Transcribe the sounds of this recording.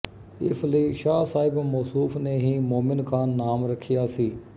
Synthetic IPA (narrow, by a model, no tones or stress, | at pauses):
ɪ̰sləiːʃaːsaːɪbmoːsuːfneːɦiːmoːmɪnkʰaːnːaːmɾəkʰːijaːsiː